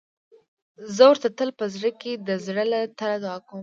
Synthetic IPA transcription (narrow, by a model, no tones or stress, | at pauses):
zəwəɾt̪at̪əlpəzɽəked̪əzɽəlat̪aɾad̪ɑkəm